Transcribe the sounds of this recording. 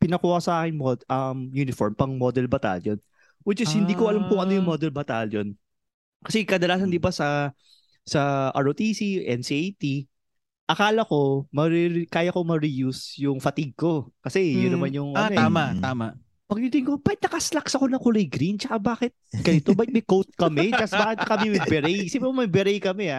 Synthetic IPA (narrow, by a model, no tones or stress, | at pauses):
pɪnɐkuːhɐsɐʔaːkɪŋmod̪ʔɐmjuːnɪfoɹmpɐŋmod̪ɛlbɐt̪a̰ljon | wɛd͡ʒɐshɪniːkoʔɐlamkʊŋʔɐnojʊŋmod̪ɛlbɐt̪aljon | kɐsɛkɐd̪ɐlaːs̬ɐnd̪ɪbasɐ | sɐʔa̰ɹʔot̪isiʔɛnsiejt̪i | ʔɐkaːlɐko̞mɐɾɪɾkaːjɐkomɐɾɪjusjʊŋfɐt̪iɡ̚ko̞kɐsɛjʊnːɐmanjʊŋʔɐnoaːmaʔt̪aːmaʔ | pɐɡ̚t̪it̪ɪŋkobaːkɪt̪nɐkɐslaksɐkonɐkʊlɛjɡɾint͡ʃɐkabaːkɪt̪̚ɡ̥ɐnɪt̪obaːkɪt̪mɐjkowt̪̚kɐmɛt͡ʃɐsbaːkɪt̪kɐmɛmɐjbɛɾɛjsibɾmɐmɐjbɛɾɛjkɐmɛa